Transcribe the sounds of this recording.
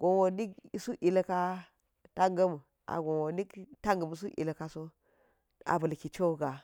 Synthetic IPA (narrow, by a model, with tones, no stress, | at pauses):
ɡ̥o˨nwo˨ni˦ki˦su˦ʔi˨la˦ka˦ | ta˦ŋɡa˦mu˨ | a̰˨ɡo˨wo˨ni˦kta˦ŋɡə˨mu˨s̬u˦ʔḭ˨la˨ka˦so˦ | a̰˨bə˨lki˨t͡ʃo˦ɡa˨